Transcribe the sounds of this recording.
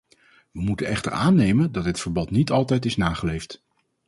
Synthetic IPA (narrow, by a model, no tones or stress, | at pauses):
ʋəmutənɛχtə̰ɹaːnejməndɑtɦətfəɹbɑtnitɑlˠtɛjtɪsnaːχəlejft